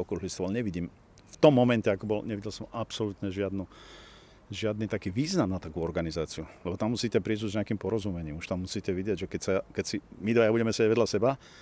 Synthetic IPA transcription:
ɔkɾuːɦlist̪ɔʋalɲɛʋiɟiːm | ft̪ɔmːɔmɛncɛakɔbɔlɲɛʋiɟɛlsɔmapsɔlut̪ɲɛʒɪad̪nu | ʒɪad̪nit̪akiːʋiːznamnat̪akuɔɾɡanizaːt͡siulɛbɔt̪amːusiːcɛpɾizuzɲɛakimpɔɾɔzumɛɲiːmuʃt̪amːusiːcɛʋiɟɪɛɟʒɛkɛcsakɛcsimid̪ʋajabuɟɛmɛsɛaɟʋɛd̪ʎasɛba

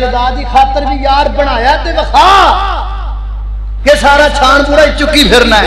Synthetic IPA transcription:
ɾd̪aːɾd̪iːkʰaːt̪əɾʋiːjaːɾbəɽ̃aːjaːt̪eːʋəkʰaː | keːsaːɾaːt͡ʃʰaːɳpuːɾaːit͡ʃʊkːiːpʰɪɾnaːɛ

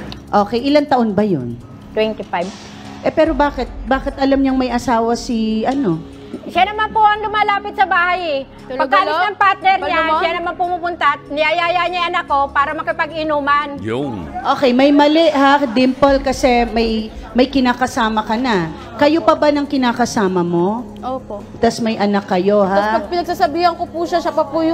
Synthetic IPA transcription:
ʔo̞ːkɛjʔɪlant̪ɐʔonbɐjo̰n | t̪wɛnt̪ɪfajb̚ | ʔɛpɛːɾo̞baːkɛt̪̚baːkɪt̪ʔɐlɐmɲɐŋmɐjʔɐsaːwɐsiʔɐno̞ | ʃanɐmanpoʔɐŋlʊmaːlaːpɪt̪̚sɐbaːhɐjɛ | t̪lɐoɡ̪aːlnɐŋpaɾt̪̚nɛɾlɲaʃanɐmanpomupʊnt̪anɪajaːjaɲajʔɐnakːo̞paːɾɐmɐkɪpɐɡɪnuːmɐnjʊʔoːkɛjmɐjmɐlɛʔhad̪ɪmpɐlkɐsɛmɐjmɐjkɪnaːkɐsaːmɐkɐna | kɐjopɐbanɐŋkɪnaːkɐsaːmɐmo̞ | oːpoʔt̪ɐsmɐjʔɐnakːɐjo̞haɐspɐɡ̚pɪnɐɡ̚saːsɐbiːhɐŋkopuʃaʃɐpɐpujʊ

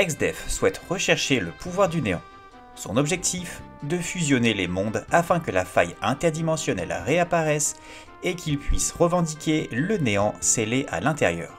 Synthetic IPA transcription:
ɛkzd̪ɛfswɛt̪ʁəʃɛʁʃeləpuvwaʁd̪yneɑ̰̃ | sɔ̰̃nɔbʒɛk̚t̪ʰif | d̪əfyzjɔnelemɔ̃d̪afɛ̃kəlafa̰jɛ̃t̪ɛʁd̪imɑ̃sjɔnɛ̰lʁeapaʁɛs | ekʲʰilpɥisʁəvɑ̃d̪ikʲeləneɑ̃seleʔa̰lɛ̃t̪ɛʁjœ̰ːʁ

